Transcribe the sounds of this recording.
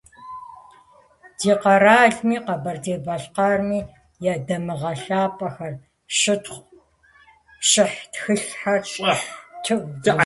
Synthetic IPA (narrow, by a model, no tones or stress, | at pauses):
d̥iːqɐɾaːɮmiːqɐbɐrdeːbɐɬqɑrmiː | jadɐmɨʁɐɬaːpʼɐxɐr | ʃɨtχʷ | ɕɪħtxɨɬħɐr | tʰɨʔʷɡ